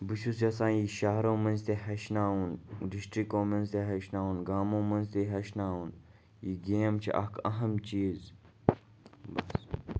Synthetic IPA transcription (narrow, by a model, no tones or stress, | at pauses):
bɨʃusʰɐsãːjiːʃaːɦɾõːmɐ̃nzt̪eɦɐʃnaːɦunɖɪsʈɾikõːmɐnzt̪eɦɐʃnaːɦuːnɡaːmõːmɐnzt̪eɦɐʃnaːɦuːn | jiːɡeːmt͡ʃʰḭʔɐ̰kɐɦɐmt͡ʃiːz | bɐs